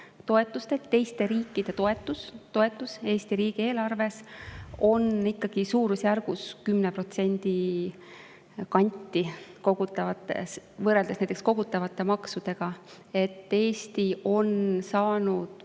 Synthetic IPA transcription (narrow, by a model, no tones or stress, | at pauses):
t̪o̞e̞t̪ːˑust̪et̪tːe̞jst̪e̞ɾiːkːˑid̪̥e̞t̪o̞e̞t̪ːˑust̪o̞e̞t̪ːˑuse̞ːst̪iɾiːɡ̥ie̞ːlɑrve̞so̞nikːɑɡ̥isuːɾusjærɡ̥uskymnepro̞t̪se̞nʲd̪̥i | kɑnʲt̪ːˑiko̞ɡ̥ut̪ːˑɑvɑt̪ːˑḛsvɤɾe̞ld̪esnæjt̪eksko̞ɡut̪ːˑɑvɑt̪ːˑe̞mɑksud̪̥e̞ɡ̥ɑ | e̞t̪ːe̞ːst̪io̞nsɑːnud̪̥